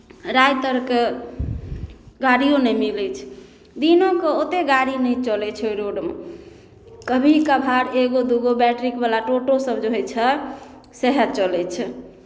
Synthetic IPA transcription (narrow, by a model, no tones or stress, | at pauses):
ɾajt̪əɾke | ɡaɾijonəjmilɛt͡ʃʰ | d̪inõkeot̪eɡaɾinəjt͡ʃəlɛt͡ʃʰɾoɖmḛ | kəbʱikəbʱaɽeɡod̪uɡobɛʈɾikbalaʈoʈosəbd͡ʒoɦɛjt͡ʃʰə | seɦəɾt͡ʃəlɛt͡ʃʰ